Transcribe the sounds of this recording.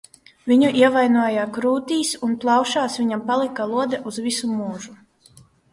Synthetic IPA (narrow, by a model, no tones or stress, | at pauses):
vʲiɲuʔiɛvajnuɔjakɾuːt̪iːsunplˠɑwʃaːsvʲiɲampalˠikalˠuɔd̪ɛʔuzvisumuːʒu